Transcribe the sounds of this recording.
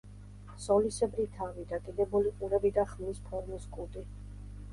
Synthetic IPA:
sɔlisɛbɾit̪ʰavid̪ad̪id̪ɛbɔliqʼuɾɛbid̪aχmnispʰɔɾmiskʼud̪ʼi

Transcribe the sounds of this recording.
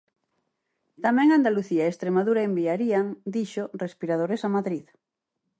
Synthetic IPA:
t̪amɛ̃ŋand̪aluθiaeest̪ɾemaðuɾaembiaɾiaŋd̪iʃorespiɾað̞oɾesamaðɾið

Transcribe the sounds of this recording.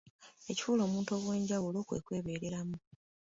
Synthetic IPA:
e̞ci̥fuːlo̞ːmuːnto̞ːɣwe̞ːɲɟawulo̞ːkwḛkwe̞ːβe̞ːɾe̞ɾamu

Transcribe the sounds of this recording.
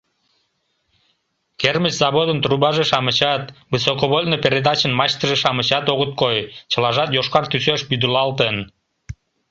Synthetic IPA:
kʲermət͡ʃzɑβod̪ənt̪ɾubɑʒɯʃɑmɨt͡ɕɑt̪bɨsokoβolʲnopʲeɾʲed̪ɑt͡ɕənmɑɕt̪əʒɨʃɑmɨt͡ɕɑt̪oʁut̪̚kojt͡ɕəlˠɑʒɑt̪joʃqɑɾt̪ysøʃbyd̪ulˠɑlˠt̪ən

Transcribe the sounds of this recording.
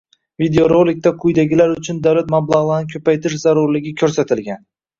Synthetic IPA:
vid̪eoɾolɪk̚ʲt̪aqʰʊjd̪aɡʲɪlaɾʊt͡ʃʰʊnd̪awlat̪mablˠaʁlˠaɾnɪkʰʲɵpajt̪ʰɪʃzaɾʊɾlɪɡʲɪkʲʰɵɾsat̪ʰɪlɡʲan

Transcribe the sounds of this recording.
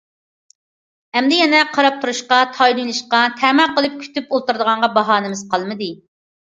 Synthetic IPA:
ɛmd̪ɪjɛnɛqʰɑɾɑp̚t̪ʰuɾuʃqɑt̪ʰɑjluŋlˠɨʃqɑt̪ʰɛmæqəlˠɨp̚kʲʰy̥t̪ypolˠt̪uɾd̪əʁɑɴʁɑbɑɦɑːnɪmɪz̥qʰɑlˠmɨd̪ɨ

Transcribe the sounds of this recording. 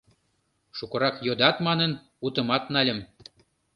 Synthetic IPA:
ʃukɤ̆ɾɑkjod̪ɑt̪mɑnən | ut̪ə̆mɑt̪nɑlʲə̆m

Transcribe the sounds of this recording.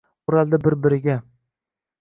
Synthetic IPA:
ʊɾald̪abɪɾbɪɾɪɡʲa

